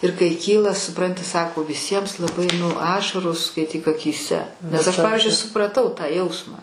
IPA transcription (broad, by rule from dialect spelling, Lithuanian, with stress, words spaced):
ɪr kɐɪ ˈkʲiːlˠɐ sʊˈprɐnʲtʲɪ ˈsɑːkoː ʋʲɪˈsʲiɛms lˠɐˈbɐɪ nʊ ˈɑːʃɐroːs skɐɪˈtʲiːk ɐkʲiːˈsʲɛ nʲɛs ɐʃ ˈpɑːʋʲɪzʲd͡ʒʲʊɪ sʊprɐˈtɐʊ tɑː ˈjɛʊsmɑː